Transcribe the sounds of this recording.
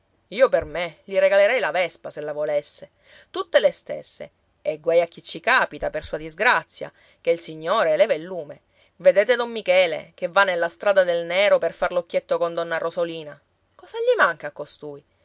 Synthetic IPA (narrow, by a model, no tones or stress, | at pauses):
iːopermeʎiɾeɡaleɾɛjlavɛspaselːavolesːe | t̪ut̪ːelest̪ḛsːḛː | ɡwɛjak̟ːit͡ʃːikaːpit̪apersuːad̪izɡɾat̪sːja̰ | k̟eilsiɲːoːɾelɛːvailːuːme | ved̪eːt̪ed̪ɔmːikɛːlḛk̟evːanːelːast̪ɾaːd̪ad̪elneːɾoperfarlokːjet̪ːokond̪ɔnːarʔozoliːna | kɔːzaʎːimaŋkakːost̪uːj